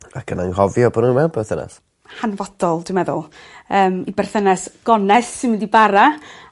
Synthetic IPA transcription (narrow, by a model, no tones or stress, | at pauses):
akʰənanhɔvjɔbɔnunmɛbɛrθənɛ̰s | hanvɔd̥ɔlˠd̥wmɛðʊ̰lˠəːmibɛrθənɛsɡ̥ɔnɛθːɪnmɪndibaɾa